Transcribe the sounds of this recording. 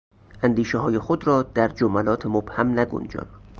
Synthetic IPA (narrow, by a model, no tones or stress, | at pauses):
ʔænd̪iːʃeɦɒːje̞xod̪ɾɒːd̪̥æɾd͡ʒomælɒːt̪ʰemob̥hæmnæɡṵnd͡ʒɒ̰ːn